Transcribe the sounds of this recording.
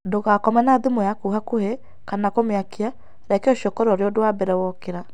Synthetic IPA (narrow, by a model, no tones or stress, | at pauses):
doɣakɔmɛnaðemɔjakuɦakohe | kanakomeakea | ɾɛkeɔʃɔkɔɾɔɾeodoabɛɾɛwɔkeɾa